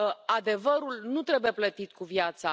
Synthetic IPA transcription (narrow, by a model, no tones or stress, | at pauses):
ad̪e̞vəɾulnut̪ɾe̞buje̞plət̪it̪kuvjat̪sa